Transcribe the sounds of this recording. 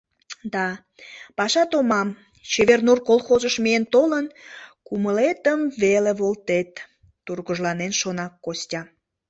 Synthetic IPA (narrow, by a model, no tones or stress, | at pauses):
d̪ɑ | pɑʃɑt̪omɑm | t͡ɕeβernurkolxozəʃmient̪olənkuməlet̪əmveleβolt̪et̪ː | urɣəʒlɑnenʃonɑkːostʲɑ